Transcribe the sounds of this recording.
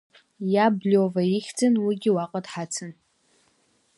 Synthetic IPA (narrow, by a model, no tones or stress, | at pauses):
jablovaiχʲd͡zɨnwiɡʲiwaqʼadħat͡sʰɨn